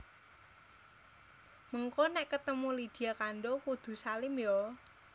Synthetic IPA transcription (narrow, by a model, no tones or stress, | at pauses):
məŋkɔnɛʔkət̪əmulid̪̥i̤jakanɖɔkud̪̥ṳsalɪmjɔ